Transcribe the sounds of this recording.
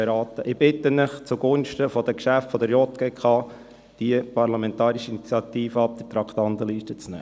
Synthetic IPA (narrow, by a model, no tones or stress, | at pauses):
ɛɾɑːt̪əʔɪb̥ɪt̪ːənɪχt͡suɡʊnʃtəfɔd̪əkʃæftfɔd̪əɾjɔt̪ɡ̥eːkʰɑː | d̥iəpɑɾlɑmɛntɑːɾiʃəinit͡sjɑt̪iːfəɑp̚d̪̥ət̪ɾɑkχt̪ɑnt̪əliːʃtət͡snɛ̰ː